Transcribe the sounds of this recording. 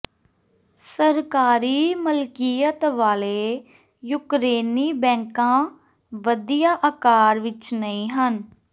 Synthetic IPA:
səɾkaːɾiːməlkiːət̪ʋaːleː | jʊkɾeːniːbɛ̃ːŋkãː | ʋəd̪ijaːʔakaːɾʋɪt͡ʃnəĩːɦən

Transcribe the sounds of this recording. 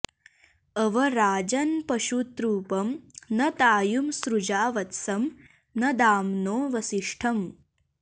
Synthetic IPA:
ɐʋɐɾaːd͡ʒɐnpɐʃut̪ɾuːpɐmnɐt̪aːjumsɾud͡ʒaːʋɐt̪sɐm | nɐd̪aːmnoːʋɐsiʂʈʰɐm

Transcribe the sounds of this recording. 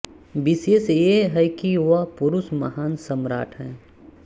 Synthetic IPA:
bɪseːseɦɛjkiʋapʊɾʊsmɐɦaːnsɐmɾa̰ːʈʰɦɛ̃ː

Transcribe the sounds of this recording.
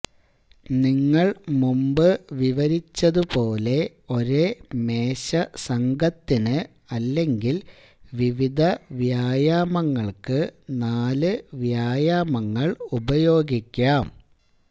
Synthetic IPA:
niŋːɐɭmumbɨʋiʋɐɾit͡ɕːɐðupo̞ːle̞ | o̞ɾemeːɕɐsɐŋɡʱɐt̪ːinɨ | ɐlːe̞ŋɡil | ʋiʋid̪ʱɐʋjaːjaːmɐŋːɐɭkɨnaːlɨʋjaːjaːmɐŋːɐɭubɐjo̞ːɡikʲːaːm

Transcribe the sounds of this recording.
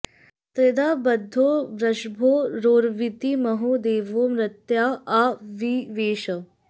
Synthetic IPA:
t̪ɾed̪aːbɐd̪ʱːoːʋɾɐʃbʱoːɾoːɾʋit̪imɐɦoːd̪eːʋoːmɾɐt̪jaːaːʋiʋeːʃɐ

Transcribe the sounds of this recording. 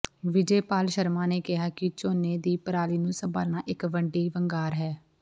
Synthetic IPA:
ʋɪd͡ʒeːpaːlʃəɾmãːneːkɪɦaːkɪt͡ʃoːneːd̪iːpəɾaːliːnũːsəba̰ːlnaːʔɪkʋəɳɖiːʋəŋɡaːɾɦɛː

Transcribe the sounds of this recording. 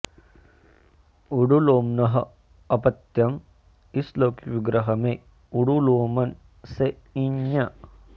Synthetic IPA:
uɽuloːmnɐɦɐ | ɐpɐt̪jɐm | isloːkʋiɡɾɐɦɐmeː | uɽuloːmɐn | se | iɲjɐ

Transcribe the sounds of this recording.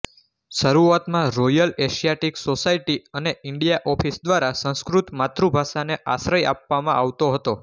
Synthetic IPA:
ʃəɾuat̪mãɾɔjəleʃijaʈiksosaiʈiəneɪɳɖijaʔɔfʰisd̪ʋaɾasə̃skɾut̪mat̪ɾubʱaʃaneʔasɾəja̰pʋamã̰ʔaʋt̪oɦət̪o

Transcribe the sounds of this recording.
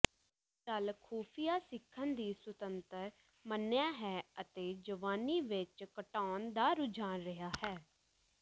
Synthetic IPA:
kəlkʰoːpʰijaːsɪkʰːənd̪iːsʊt̪ənt̪əɾ | mənːjaːɦɛːət̪eːd͡ʒəʋaːniːʋɪt͡ʃkəʈaːnd̪aːɾʊd͡ʒʱaːnɾəɦaːhɛː

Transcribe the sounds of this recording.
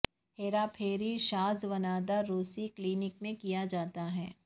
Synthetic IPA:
heːɾapʰeːɾiʃaːzʋɐnaːd̪aɾuːsikliːnɪkmẽkijad͡ʒaːt̪aɦɛː

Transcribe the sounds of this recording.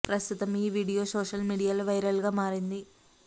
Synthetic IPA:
pɾɐst̪ut̪ɐmiːʋiːɽijoːso̞ːʂɐlmiɽijaːlʋɐjɾɐlɡaːmaːɾind̪i

